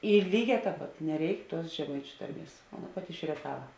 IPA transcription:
ɪ ˈlʲiːˌɡʲɛː ˈtʲɛːp ˈpɐt nʲɛˈrʲɛɪk tuɔs ʒʲɛˈmɐɪt͡ʃʲʊ ˈtɐrʲˌmʲiɛs oː ˈɑːˌnɐ ˈpɑːtʲɪ ɪʃ rʲiɛˈtɑːʋɐ

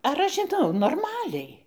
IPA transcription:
ɐr ˈɐʃ ʒʲɪˈnɐʊ noːrˈmɑːlʲɛɪ

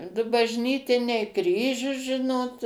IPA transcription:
ˈdʊ bɐʒʲˈnʲiːtʲɪnʲɛɪ ˈkrʲiːʒʲʊs ˈʒʲɪnoːt

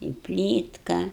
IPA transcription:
ɪ ˈpʲlʲiːtkɐ

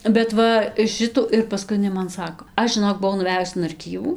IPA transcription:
bʲɛt ˈʋɐ ˈʃʲɪtuː ɪr pɐˈskʊɪ ɪˈnɐɪ mɐn ˈsɑːkoː ˈɐʃ ʒʲɪˈnoːk bʊˈʋɐʊ nʊˈʋʲæːjʊs ɪn ɐrʲˈkʲiːʋuː

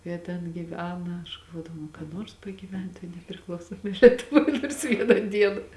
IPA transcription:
ˈjiɛ tʲɛn ɡʲiːˈʋʲæːnɐ ɐʃ ɡɐlˠˈʋoːdɐʋɐʊ nʊ kɐ ˈnoːrs pɐɡʲiːˈʋʲɛnt toːj nʲɛpʲrʲɪˈklˠɐʊsoːmoːj lʲiɛtʊˈʋoːj noːrs ˈʋʲiɛnɑː ˈdʲiɛnɑː

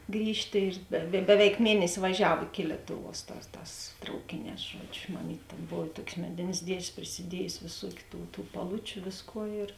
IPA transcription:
ˈɡrʲiːʃʲtʲeː ɪr dɐ ˈbʲæːʋʲɛɪk ˈmʲiɛnʲɛsʲɪ ʋɐˈʒʲɛw ɪkʲɪ ˈlʲiɛtʊˌʋuɔs ˈtɑːs ˈtɑːs ˈtrɐʊkʲeːˌnʲɛːs ˈʒuɔd͡ʒʲʊ mɐˈmʲiːtʲ tʲeːn ˈboːw ɪ ˈtuɔkʲsʲ ˈmʲæːdʲeːnʲsʲ ˈdʲiɛʃʲsʲ pʲrʲɪsʲɪˈdʲiɛjʊsʲɪ ʋʲeːˈsuɔkʲʊ ˈtuː tuː pɐˈlˠʊt͡ʃʲʊ ˈʋʲeːsˌkuɔ ɪr

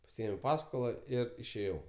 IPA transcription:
pɐˈsʲɪeːmʲɛʊ ˈpɑːskoːlˠɐ ˈɪr ɪʃʲeːˈjɛʊ

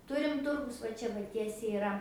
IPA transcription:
ˈtʊrʲɪm ˈtʊrɡʊs ʋɐ ˈt͡ʃʲɛ ʋɐ ˈtʲiɛsʲɛɪ ɪˈrɐ

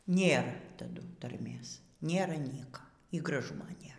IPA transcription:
ˈnʲeːr tɐˈdʊ tɐrʲˈmʲeːs ˈnʲeːrɐ ˈnʲiɛkɐ iː ɡrɐˈʒʊmoː ˈnʲeːr

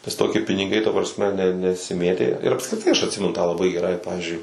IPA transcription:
nʲɛs toːˈkʲɪ pʲɪnʲɪˈɡɐɪ tɐ prɐsʲˈmʲɛ nʲɛ nʲɛsʲɪˈmʲeːtʲeː ɪr ɐpskrʲɪˈtɐɪ ɐʃ ɐtʲˈsʲɪmʲɛnʊ tɑː lˠɐˈbɐɪ ɡʲɛˈrɐɪ ˈpɑːʋʲɪzʲd͡ʒʲʊɪ

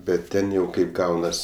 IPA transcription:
bʲɛt ˈtʲɛn jɛʊ ˈkɐɪp ˈɡɐʊnɐs

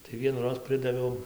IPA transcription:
tɐɪ ʋʲiɛnuːˈroːs ˈpʲrʲɪdɐʋʲɛʊ

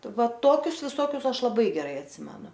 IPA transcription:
ˈʋɐ ˈtoːkʲʊs ˈʋʲɪsoːkʲʊs ˈɐʃ lˠɐˈbɐɪ ɡʲɛˈrɐɪ ɐtʲˈsʲɪmʲɛnʊ

